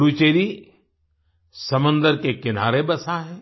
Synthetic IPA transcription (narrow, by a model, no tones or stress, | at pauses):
ɾut͡ʃeːɾi | sɐmə̃nd̪əɾkekɪna̰ːɾebɐsaɦɛː